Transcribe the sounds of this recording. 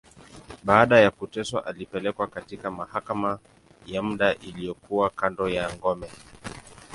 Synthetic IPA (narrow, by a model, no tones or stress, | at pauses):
ɓaːɗajakutɛswaʔalipɛlɛkwakatikamahakama | jam̩ɗaʔilijɔkuwakandɔjaŋɡɔmɛ